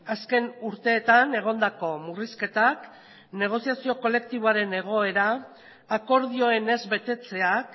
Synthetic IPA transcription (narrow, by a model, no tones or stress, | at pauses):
aske̞nuɾt̪e̞ːt̪ane̞ɣ̞o̞nd̪ako̞muriske̞t̪ak | ne̞ɣ̞o̞siasio̞ko̞le̞k̚t̪iβoaɾe̞ne̞ɣ̞o̞e̞ɾaː | ko̞ɾð̞io̞e̞ne̞zbe̞t̪e̞t͡se̞ak